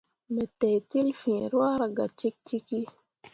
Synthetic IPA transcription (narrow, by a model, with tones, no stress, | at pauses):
mɛ˨t̪ɛ˨t̪i˦lfĩ˨ɾwa˦ɾa˨ɡa˨t͡ʃi˦k̚ti˦ki˦